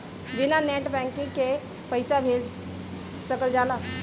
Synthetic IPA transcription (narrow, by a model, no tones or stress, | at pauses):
binaneʈbɛ̃ŋkĩŋke | pəɪsabʱel | səkəld͡ʒala